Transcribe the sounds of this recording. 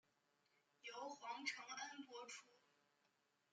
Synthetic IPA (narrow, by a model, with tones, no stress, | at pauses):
jo˧˥ʊxwɑ˧˥ŋʈ͡ʂʰɤ˧˥ŋa˥npwɔ˧˥ʈ͡ʂʰu˧˥